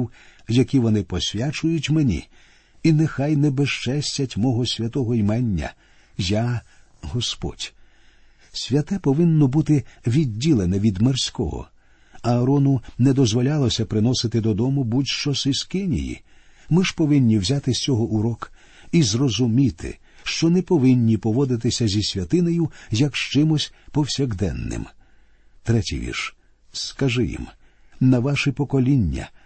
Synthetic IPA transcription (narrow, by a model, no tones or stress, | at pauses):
wjɐkʲiʋɔnɪpɔsʲʋʲat͡ʃʊjʊtʲmɛnʲḭ | inɛxajnɛbɛʃt͡ʃɛsʲtʲɐtʲmɔɦɔsʲʋʲɐt̪ɔɦɔjmɛnʲːɐ̰ | ja | ɦɔspɔ̰dʲ | sʲʋʲɐt̪ɛpɔʋɪnːɔbut̪ɪʋʲidʲːilˠenɛʋʲid̪mersʲkɔ̰ɦɔ̰ | ɐːɾɔnʊnɛd̪ɔzʋɔlʲalˠɔsʲɐpɾɪnɔsɪt̪ɪd̪ɔd̪ɔmʊbutʲʃt͡ʃɔsɪskɪnʲḭjḭ | mɪʒpɔʋɪnʲːiwzʲat̪ɪst͡sʲɔɦɔʔuɾɔk | izrɔzʊmʲit̪ɪ̰ | ʃt͡ʃɔnɛpɔʋɪnʲːipɔʋɔd̪ɪt̪ɪsʲɐzʲisʲʋʲɐt̪ɪnɔjʊjɐkʃt͡ʃɪmʊsʲpɔwsʲɛɣd̪ɛ̰nːɪ̰m | t̪ɾɛtʲḭjʋʲḭrʃ | skɐʒɪjḭm | nɐʋaʃɪpɔkɔlʲinʲːɐ̰